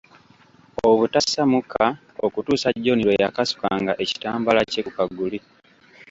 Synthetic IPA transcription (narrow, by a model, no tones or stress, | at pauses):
o̞βutasamukʰa | okutuːsaɟːoniɾo̞jakasu̥kaːŋɡaʔe̞ci̥taːmbalacekukaɡːuli